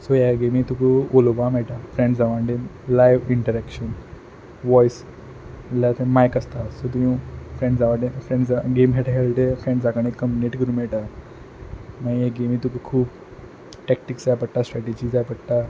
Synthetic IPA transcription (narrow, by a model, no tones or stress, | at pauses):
sojaɡemit̪ukəolobamɛɭʈafɾẽɳɖd͡zaʋaɳɖelajʋiɳʈəɾɛkʂən | ʋɔjs | lat̪ẽmajkəst̪asot̪uɦĩfɾẽɳɖd͡zaʋaʈefɾeɳɖd͡zaɡemɡʱeʈaɦelʈ̪efɾẽɳɖd͡zakaɳ̃ekəmbineʈkəɾuːmɛɭʈa | maijeɡemiːt̪ukukʰuːp | ʈɛk̚ʈikd͡zajpəɽʈ̪asʈɾɛʈed͡ʑid͡zajpəɽʈ̪a